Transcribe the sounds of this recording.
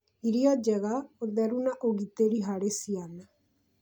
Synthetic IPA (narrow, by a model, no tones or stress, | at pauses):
iɾiad͡ʒɛɣaoɾd̪aɾunaʔoɣit̪eɾiɦaɾesiana